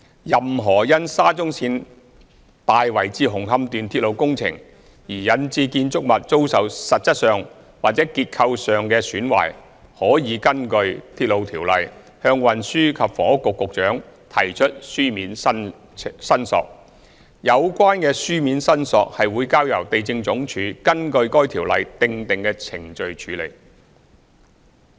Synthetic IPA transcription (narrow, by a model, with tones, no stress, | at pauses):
jɐ˨mɦɔː˨˩jɐ˥nsaː˥t͡sʊ˥ŋsiː˧n | t̪aː˨jwɐ˨˩jt͡siː˧ɦʊ˨˩ŋɦɐ˧mt̪yː˨nt̪ʰi˧t̚lo˨˧wkʊ˥ŋt͡sʰɪ̰˨˩ŋ | jiː˨˩jɐ˨˧nt͡siː˧kiː˧nt͡sʊ˥k̚mɐ˨t̚t͡so˥wsɐ˨wsɐ˨t̚t͡sɐ˥t̚sœː˨ŋ | waː˨t̚t͡sɛ˨˥kiː˧t̚kʰɐ˧wsœː˨ŋkɛː˧syː˨˥nwa̰ː˨˩j | hɔː˨˥jiː˨˧kɐ˥nkɵ˧ɥt̪ʰiː˧t̚lo˨˧wt̪ʰiː˨˩wlɐ̰˨j | hœː˧ŋwɐ˨nsyː˥kʰɐ˨p̚fɔː˨˩ŋʊ˥kːʊ˨kːʊ˨k̚t͡ʃœː˨˥ŋ | t̪ʰɐ̰˨˩jt͡ʃʰɵ˥t̚syː˥miː˨˥n˥ | sɐ˥nsɔ̰ː˨k̚ | jɐ˨˧wkʷaː˥nkɛː˧syː˥miː˨˥nsɐ˥nsɔː˨k̚hɐ˨jwuː˨˧jkaː˥wjɐ˨˩wt̪e˨jt͡sɪ˧ŋt͡sʊ˨˥ŋt͡ʃʰyː˨˥kɐ˥nkɵ˧ɥkɔː˥jt̪ʰiː˨˩wlɐ̰˨jt̪ɪ˧ŋt̪ɪ˨ŋkɛː˧t͡sʰɪ˨˩ŋt͡ʃɵ˨˧ɥt͡ʃʰyː˨˥lḛ˨˩j